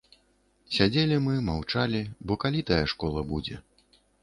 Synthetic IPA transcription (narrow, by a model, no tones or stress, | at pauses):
sʲad͡zʲelʲimɨmawt͡ʂalʲibɔkalʲit̪ajɐʂkɔlˠɐbud͡zʲɛ̰